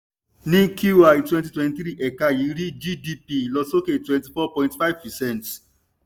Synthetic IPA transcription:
nĩ˦ku˦wa˨i˨twɛ̃˦nti˨twɛ̃˧nti˦ɾi˦ʔɛ˨ka˦ji˨˦ɾi˦d͡ʒi˦di˦pi˨lɔ˧so˦ke˨twɛ̃˨nti˨fɔ˦pɔ̃˨ĩntfa˦ɪvpɛ˨sɛ̃˦˨nt

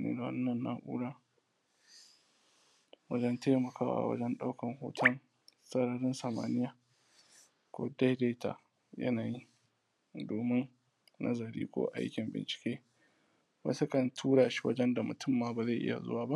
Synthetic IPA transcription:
nḛː˦da˨wɐ̰˦nːɐ˨nːa̰˨ʔṵː˦ɽaː˦ | wɐ˦d͡ʒɛ˦nteː˦mɐ˨kʰaː˦wa̰˨wɐ̰˦d͡ʒɛ˦nɗa˦wkɐ˨ŋho̰ː˨tʰɐ˦n | sɐ˦ɽɐ˨ɽɪ˦nsɐ˨ma̰ː˦nɪ˦jaː˨ | kʷo̰ː˦da˦hde˦ta̰˨ | jɐ̰˦naː˨ji˦ | doː˨mɪ˦n | nɐ̰˦zɐ˨ɽḭː˦kʷo̰ː˦ʔa̰˦jkʲɪ˨mbɪ̰˨nt͡ʃɪ̥˨kʲeː˦ | mɐ̰˦sɐ˦kɐ˨ntʰuː˦ɽaː˨ʃi̥˦wɐ̰˦d͡ʒɛ˦nda˨mʊ˨tʊ˦mːaː˨baː˨za˦˨jʔɪ̰˦ja̰˨zʊ̰˦waː˨ba˦ʔ

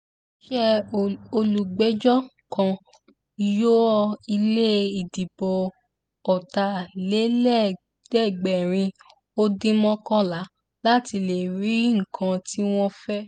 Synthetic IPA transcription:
ʃɛ˦o˧lu˨ɡ͡bɛ˨˦d͡ʒɔ˦˨kã˧ | jo˦ɔ˧i˧le˦i˨di˨bɔ˨ | ɔ˨ta˧˨le˨˦lɛ˦˨ | d̥ɛ˦˨ɡ͡bɛ˨ɾ̃ĩ˧ | o˦dĩ˦mɔ̃˦kɔ˦la˨˦ | la˦ti˧le˨ɾi˨˦ŋ̩˨kʰã˧ti˦w̃ɔ̃˦fɛ˦

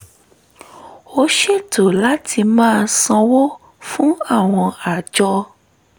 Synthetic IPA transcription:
o˧˦ʃe˦˨to˨la˦tʰi˧mãː˦˧˦sɔ̃˧wo˦ | fũ˦a˦˨w̃ɔ̃˧a˨d͡ʒɔ˧

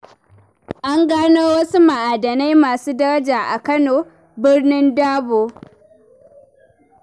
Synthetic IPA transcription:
ʔa˦ŋɡaː˦noː˦wɐ˦su˦ma˨ʔaː˨dɐ˨na˦jmaː˨suː˦dɐ˦ɾɐ˦d͡ʒaː˨ʔa˨kɐ˦noː˨ | bɪ˦rnɪ˦ndaː˦boː˦

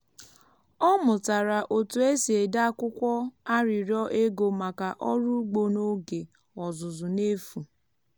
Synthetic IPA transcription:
ɔ˦mʊ˨ta˨ɾa˨ʔo˨tu˨e˦si˨e˨da˦kʷʊ˦kʷɔ˦a˦ɾɪ˨ɾjɔ˦ʔe˦ɡo˨ma˨ka˨ʔɔ˦ɾʊ˦ɡ͡bo˨no˦ɡe˨ | ɔ˨zʊ˨zʊ˨ne˦fu˨

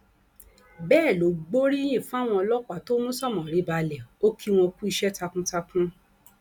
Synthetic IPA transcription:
bɛː˦˨lo˨˦ɡ͡bo˦ɾi˦j̃ĩ˦˨fũ˦a˦˨w̃ɔ̃˧ɔ˧lɔ˦k͡pa˨to˦nũ˦sɔ˦˨mɔ̃˨ɾi˨˦ba˧˨lɛ˨o˦kʰi˦w̃ɔ̃˧ku˦i˧ʃɛ˦ta˧kũ˦ta˧kũ˦

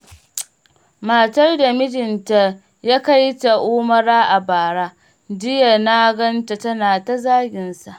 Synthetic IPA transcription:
maː˨tɐ˦rda˨mɪ˦d͡ʒɪ˨nta˦ | jaː˦ka˦jta˨ʔuː˦mɐ˦ɾaː˦ʔa˨baː˨ɽaː˦ | d͡ʒɪ˦ja˨na˦ɡɐ˦nta˨tɐ˦naː˨ta˦zaː˦ɡʲɪ˨nsa˨ʔ

